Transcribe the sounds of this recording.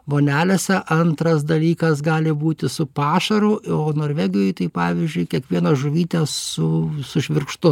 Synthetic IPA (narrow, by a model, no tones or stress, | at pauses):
boːnʲæːlʲesʲɛʔɐnt̪ɾɐs̬d̪ɐlʲiːkɐsɡɑːlʲɪbuːt̪ʲɪsʊpɑːʃɐɾʊoːnoːɾʲʋʲæɡʲɪjoːjt̪ɐɪpɑːʋʲɪzʲd͡ʒʲʊɪkʲiɛkʋʲiɛnɐʒʊʋʲiːt̪ʲɛsʊsʊʃʲʋʲɪɾkʃt̪ʊ